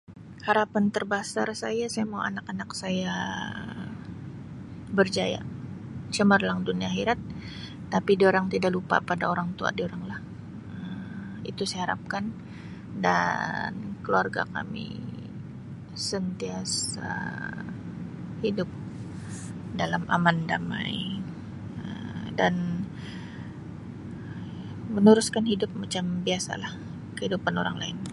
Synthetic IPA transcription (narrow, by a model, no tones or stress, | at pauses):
haɾapant̪ərbasarsajasajamaua̰nakanaksaja | bərd͡ʒaja̰ | t͡ʃəmərlaŋduniaɦiɾat̪̚ː | apidioɾaŋt̪idaʔlupa̰padaoɾaŋt̪ua̰dioɾaŋlah | əm | ḭt̪usaehaɾa̰p̚kan | da̰nkəluarɡa̰ka̰mḭ | sənt̪iasa̰ | hidʊp̚ | dalamʔa̰mandama̰j | ə̰mdan | mənuɾʊskanhidʊp̚mat͡ʃambiasa̰lah | kəhidupanoɾa̰ŋla̰ɪn